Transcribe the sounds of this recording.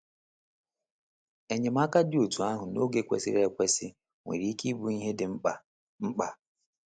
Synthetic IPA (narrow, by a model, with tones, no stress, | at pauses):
e˨ɲe˨m̩˦a˦ka˦dɪ˦o˨tu˨a˦ɦʊ˨no˦ɡe˦kʷḛ˨sɪ̰˦ɾe˨kʷe˦sɪ˦ | ŋʷḛ˨ɾi˨˦i˦ki˦bu˦i˦ɦe˦dɪ˨˦˨ | ŋ͡m̩˦k͡pa˨